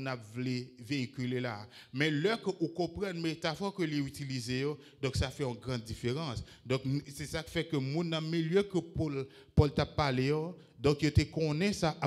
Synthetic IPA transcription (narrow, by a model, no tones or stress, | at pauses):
napvleveikʲylela | mɛ̃lœkəʔukɔ̃pʁɛ̃nmet̪afɔʁkəleyt̪ilizejo | d̪ɔ̃ksafɛɔ̃ɡʁɑ̃d̪ːifeʁɑ̃s | d̪ɔ̃knsɛsaki̥fɛkəmũnːãmeljœkəpol | pɔlt̪apːalejo | d̪ɔ̃kjot̪ekɔ̃nɛ̃saʔa